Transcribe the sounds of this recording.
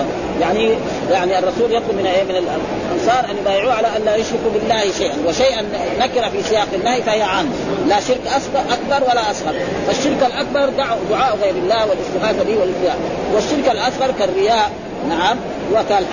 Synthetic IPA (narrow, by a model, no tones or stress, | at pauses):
jaʕni | jaʕniɑrˤːɑsuːljɑt̪ˤlumɪnaʔeːmɪnal | lʔɑnsˤɑːɾˤʔanjbaːjʕuːʕalaʔanlaːjʊʃɾɪkubɪlːaːhiʃajʔanwaʃajʔanːakɪɾafisɪjaːqanːahjfahijːaʕamːalaʃɪɾkʔasʔakbɑɾˤwalaʔɑsˤhɑɾˤ | faʃːɪɾkalʔak̚bɑɾˤd̪aʕud̪ʊʕaːʔɣeːɾɪlːaːhwalɪst̪ɪɣaːfab̪iːwalɪfɪjaː | waʃːɪɾkalʔasɣɑɾˤkarːɪjaːʔ | naʕam | huwakal